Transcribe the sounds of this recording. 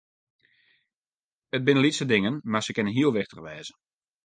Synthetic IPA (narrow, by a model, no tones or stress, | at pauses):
ət̚bɪnəlitsədɪŋənmarsəkɪnənɦiəlˠʋɪχtərʋɛːzə